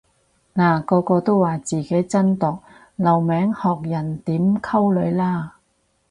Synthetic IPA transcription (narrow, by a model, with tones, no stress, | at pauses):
naː˨˩kɔː˧kɔː˧t̪o˥wːaː˨˩t͡siː˨˩ke˨˥jt͡sɐ˥nt̪ɔː˨k̚ | lɐ˨˩wmɛː˨˥ŋhɔː˨k̚jɐ˨˩nt̪iː˨˥mkʰɐ˥wlɵ˨˧ɥlaː˥